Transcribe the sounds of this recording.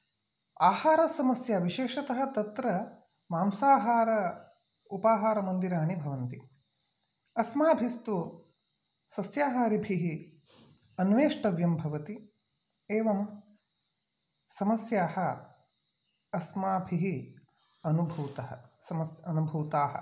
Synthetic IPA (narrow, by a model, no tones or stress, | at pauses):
aːhaːɾɐsɐmɐsjɐʋiʃeːʂɐt̪ɐɦɐ̆t̪ɐt̪ɾɐ | maːmsaːɦaːɾɐ | upaːɦaːɾɐmɐnd̪iɾaːɳibʱɐʋɐnt̪i | ɐsmaːbʱist̪u | sɐsjaːɦaːɾibʱiɦi | ɐnʋeːʂʈɐʋjɐmbʱɐʋɐt̪i | eːʋɐm | sɐmɐsjaːhɐ | ɐsmaːbʱiɦi | ɐnubʱuːt̪ɐɦɐ̰sɐmɐsjɐɐnubʱuːt̪aːɦɐ̰